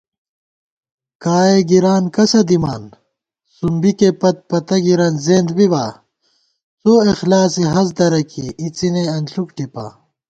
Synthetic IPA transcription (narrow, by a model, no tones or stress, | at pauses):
kaːeɡiɾaːnkɐsɐd̪ima̰ːn | sumbikepɐt̪̚pɐt̪ɐɡiɾɐnzeːnd̪bibaː | soːexlaːsiɦɐz̬d̪ɐɾɐkiʔit͡sineɐnɬukʈipa̰ː